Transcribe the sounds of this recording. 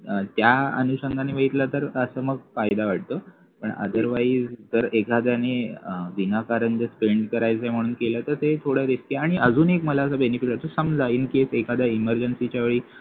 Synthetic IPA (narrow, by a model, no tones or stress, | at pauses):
t̪jaə̰nuɕəŋɡʱaneʋəit̪lat̪əɾəsəːməɡ̚fajd̪aʋaʈ̚ʰt̪o | pəɳə̰d̪əɾʋaiːd͡zd͡z̪əɾekad̪janeʋinakaɾənd͡ʑ̪əspeɳɖkəɾajt͡sajm̤əɽ̃uːnkelət̪əɾt̪et̪ʰoɽəɾiskjaɽ̃iʔəd͡zuːnekməlaəs̬əbenefisat̪osəmd͡zaiːnkesekad̪jaiməɾd͡ʑənsit͡ɕjaʋeɭiː